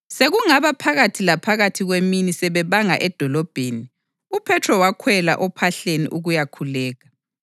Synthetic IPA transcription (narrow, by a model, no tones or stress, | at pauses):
seɣuŋaβapʰaɣatʰilapʰaɣatʰiɣweminisɛβɛβaŋa̰ʔɛd̥ʱɔlɔb̥ʱeːni | upʰɛtʰrɔwakʰwɛla̰ʔɔpʰaɬenḭʔuɣujakʰulɛːɣa